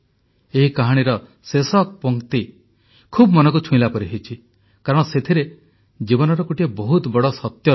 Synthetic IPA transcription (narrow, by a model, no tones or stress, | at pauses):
eɦikaɦaɽ̃iɾɔ | sesɔk̚pɔŋkt̪i | kʰubmɔnɔkut͡ʃʰũĩlapɔɾiɦet͡ʃʰi | kaɾɔɽ̃ɔset̪ʰiɾe | d͡ʒibɔnɔɾɔkuʈiebɔɦut̪bɔɽɔsɔt̪jɔ